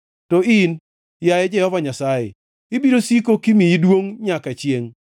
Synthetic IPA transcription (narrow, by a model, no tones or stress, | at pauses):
tɔɪn | jajɛd͡ʒɛhɔvaɲasajḛ | ɪbiɾosikokimijidwoŋɲakat͡ʃjeŋ